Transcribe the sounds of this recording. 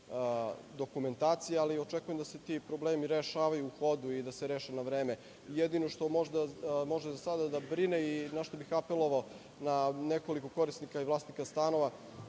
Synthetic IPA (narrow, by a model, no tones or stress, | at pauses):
d̪o̞kume̞nt̪aːt̪sijealio̞t͡ʃekujemd̪ase̞t̪ipɾo̞bleːmiɾeʃaːʋajuːxo̞d̪uid̪aseɾeːʃenaʋɾeːme̞ | jed̪ino̞ʃt̪o̞mo̞ʒd̪amo̞ʒezasad̪ad̪abɾineinaʃt̪o̞bixapelˠo̞ʋao | naneko̞liko̞ko̞ɾisnikaiʋlˠaːst̪nikast̪ano̞ʋa